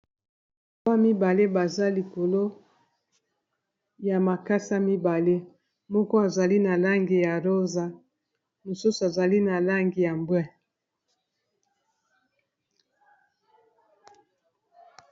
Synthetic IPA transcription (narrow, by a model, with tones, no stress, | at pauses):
ba˦mi˦ba˨le˦ba˨za˦li˨ko˨lo˦ | ja˨ma˨ka˦sa˦mi˦ba˨le˦ | mɔ˦kɔ˦a˨za˨li˦na˨la˦ŋɡi˨ja˨ʁo˦za˨ | mo˨su˦so˨a˨za˨li˦na˨la˦ŋɡi˨ja˨mbwɛ˦